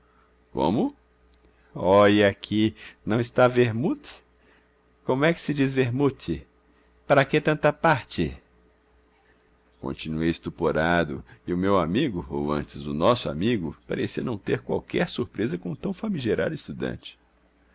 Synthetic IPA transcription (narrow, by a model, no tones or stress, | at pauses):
kõ̰mʊ | ɔjiakʰinɐ̃w̃ɪst̪aveɾmut̪ | kõmʊɛkɪ̥sɪd͡ʒizveɾmut̪ɪ | paɾɐket̪ɐ̃nt̪ɐpaɾt͡ʃɪ | kõ̰nt͡ʃinuejɪst̪upoɾad̪ʊ̰ɪʊmewamiɡʊowɐ̰̃t͡ʃɪzʊnɔsʊa̰miɡʊpaɾesiɐnɐ̃w̃t̪eɾkwa̰wkɛɾsuɾpɾezɐkõt̪ɐ̃w̃famiʒeɾa̰d̪ʊɪst̪ud̪ɐ̰̃nt͡ʃɪ̥